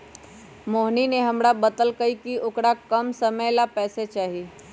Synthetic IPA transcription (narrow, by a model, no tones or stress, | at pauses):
moːɦnineɦəmɾabət̪əlkəikioːkɾakəmsəməjlapɛːset͡ʃaːɦi